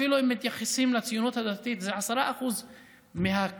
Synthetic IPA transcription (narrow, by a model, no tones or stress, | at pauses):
iluhemːit̪jaχesimlat͡sijunut̪had̪at̪it̪zeʕasaɾaʔaxuz | meɦa